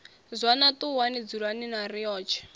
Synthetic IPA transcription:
zʷanatuwanid͡zuɺaninarijɔːt͡ʃʰɛ̥

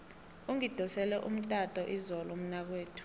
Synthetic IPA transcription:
uŋid̥ʱɔsɛlɛʔṵm̩tʼatʼɔʔizɔlɔm̩nak̬weːtʰu̥

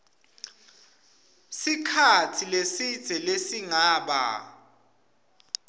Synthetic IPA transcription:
sikʰatʰilesid̥z̥ʱɛlesiŋaːɓa̰

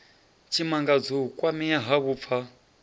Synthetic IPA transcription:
t͡ʃʰimaŋɡad͡zukwamijaɦaβuːp̪fʰa

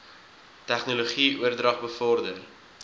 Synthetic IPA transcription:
tæχnoloχiʔuərdrɐχbəfɔrdər

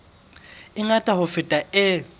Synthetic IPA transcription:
ɪŋatʼahʊfɪtʼaʔɪ

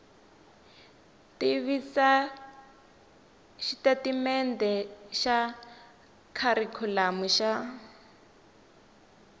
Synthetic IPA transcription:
tiβisa | ʃitatimɛndɛʃa | kʰaɾikʰulamuʃa

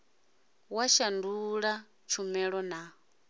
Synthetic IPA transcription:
waʃanduɺa | t͡ʃʰumɛɺɔna

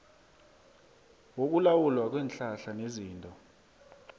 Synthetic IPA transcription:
wok̬ʼulawulwak̬ʼwɛːnɬaɬaneziːntʼɔ

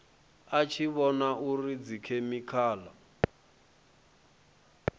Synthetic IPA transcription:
at͡ʃʰiβɔnaʔurid͡zikʰemikʰaːla

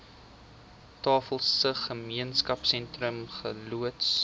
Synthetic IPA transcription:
tɑːfəlˠsəχəmiənskɐpsɛntrəmχəluəts

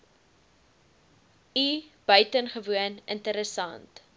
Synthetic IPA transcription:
ib̥œɥtənχəvuənəntəɾəsɐ̰nt

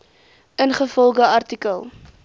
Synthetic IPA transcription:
ənχəfɔlˠɡəɐrtikəlˠ

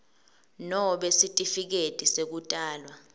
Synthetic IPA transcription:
nɔɔɓesitʼifik̬etʼisek̬utʼaːlwa

